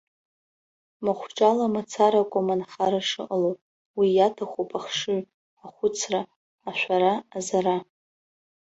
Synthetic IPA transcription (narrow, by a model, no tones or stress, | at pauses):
maχʷʈ͡ʂʼalamat͡sʰaɾakʷʼomanχaɾaʂɨʔəlowpʼ | wijatʰaχʷopʰʼaχʂɨɥ | aχʷʊt͡sʰraː | ʃʷᶣaɾaːzaɾa